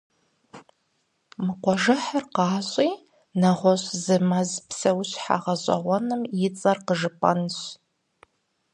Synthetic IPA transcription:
mɨqʷɔʒɨħarqɑːɕʼiː | nɐʁʷɔɕzɨmɐzpʰsɐwɕħa̰ʁɐɕʷʼɐ̰ʁʷɔnɨmjɪt͡sʼɐrqəʒɨpʼɐ̰nɕ

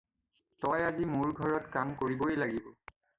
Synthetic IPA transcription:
tɔjazimuɹɡʱɔɹɔtkamkoɹiboelaɡibɔ

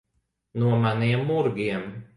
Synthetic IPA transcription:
nuɔmanʲiɛmːuɾɡʲiɛm

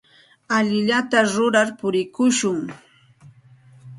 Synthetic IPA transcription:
aʎɪʎat̪aɾʊɾaɾpʊɾɪkʊʃʊŋ

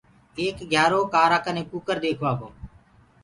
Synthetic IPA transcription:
eːkɡʱjaːɾoːkaːɾaːkənẽːkuːkəɾd̪eːkʰʋaːɦoː

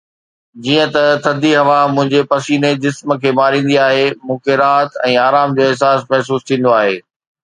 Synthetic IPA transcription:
d͡ʑiːə̃t̪ɐt̪ʰɐd̪iɦɐʋamʊ̃ɦɪ̃ɲd͡ʑepɐsiːned͡ʑɪsmə̆kʰeːmaːɾĩːn̆d̪iaːɦemʊ̃ːkʰeɾaːt̪ɛ̃ːaːɾaːmd͡ʑoːɪɦsaːsmɛɦs̬uːst̪ʰĩːn̆d̪oaːɦeː

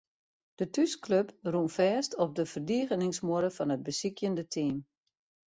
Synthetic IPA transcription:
d̥ətyskløprunfɛːstɔp̚dəfərdiəɣənɪŋsmoəɾəfɔnət̚bəsikjəndətʰiːm

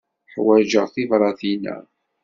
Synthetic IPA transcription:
ħwæʒəʁθivɾˤɑθinæ̰

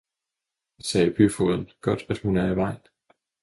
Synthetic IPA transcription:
sɛːpʰyfoðˠn̩ɡ̥ɒ̽d̥æd̥hunæɐiʋɑ̈ɪ̰n

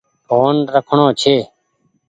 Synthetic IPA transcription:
oːnɾəkʰɳõːt͡ʃʰeː

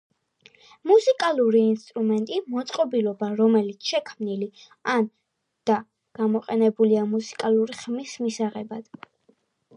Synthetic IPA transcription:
musikʼalˠuɾiːnst̪ʼɾumɛnt̪ʼimɔt̪sʼqʼɔbilɔbaɾɔmɛlit̪sʰʃɛkʰmnili | an | d̪̥a | ɡ̥amɔqʼɛnɛbuliamusi̥kʼalˠuɾiχmismisaʁɛbad̪̥

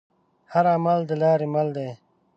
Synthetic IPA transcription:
hɐɾamɐld̪əlaːɾemɐld̪eː

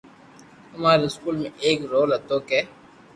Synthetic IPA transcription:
hʊmaːɾeɪskuːlmẽʔeːkɾoːlɐt̪oːkeː

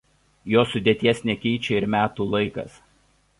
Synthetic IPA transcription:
joːsʊd̪ʲeɛt̪ʲiɛsʲnʲɛkʲɛɪt͡ʃʲɛɪɾmʲæːt̪uːlˠɐɪkɐ̰s

